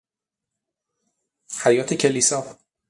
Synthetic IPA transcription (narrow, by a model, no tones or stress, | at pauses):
hæjɒːt̪ʰecʰeliːsɒː